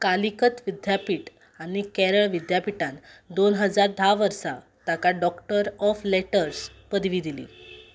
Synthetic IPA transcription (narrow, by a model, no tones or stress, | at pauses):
kalikət̪ʋid̪japiːʈ | aɽ̃ikɛɾəɭʋid̪japiʈãnd̪onɦəd͡zaɾd̪ʱaʋəɾsa | t̪akaɖɔkʈəɾɔfleʈəɾspəd̪ʱʋiːd̪ilḭː